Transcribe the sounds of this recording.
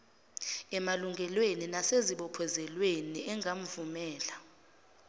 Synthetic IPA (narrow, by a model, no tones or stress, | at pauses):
ɛmaluŋɡʱɛlweninaseziɓɔpʰɔzɛlweniʔɛŋɡʱam̩vumɛːla